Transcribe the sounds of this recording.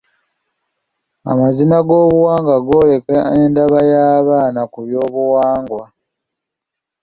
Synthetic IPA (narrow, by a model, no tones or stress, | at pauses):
a̰mazinaɡo̞ːβuwaːŋɡaɡo̞ːle̞kaendaβajaːβaːnakuβjo̞ːβuwaːŋɡwa